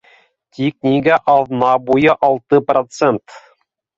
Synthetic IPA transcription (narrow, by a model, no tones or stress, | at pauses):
tʲiknʲiɡaʔɑðnɑbujɤʔɑlˠt̪ɤprot̪sent̪